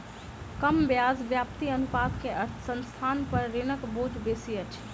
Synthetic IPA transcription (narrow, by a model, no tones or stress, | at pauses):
kəmbjaːzʋjaːpt̪iənʊpaːd̪keʔɐɾt̪ʰsə̃nst̪ʰaːnpəɾːenəkboːd͡ʒbeːsijət͡ʃʰ